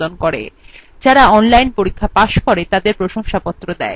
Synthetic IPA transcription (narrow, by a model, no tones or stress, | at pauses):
onkoɾḛd͡ʑaɾaɔnlajnpoɾikʰːapaʃkoɾet̪ad̪eɾpɾoʃoŋʃapɔt̪ːɾod̪ɛ̰e